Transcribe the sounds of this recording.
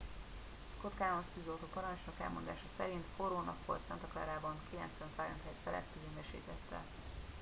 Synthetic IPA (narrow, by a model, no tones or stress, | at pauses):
skot̪kaːlonst̪yzolt̪oːpɒɾɒnt͡ʃnɒkɛ̰lmo̞nd̪a̰ːʃɒsɛɾint̪foɾoːnɒkʋo̞̰lt̪sɛnt̪ɒklɛ̰ɾaːbɒŋkilɛ̰nt̪sʋɛnfajɛnt̪hɛjt̪fɛlɛ̰st̪yzeːnɛʃḛːt̪ɛt̪ːɛ̰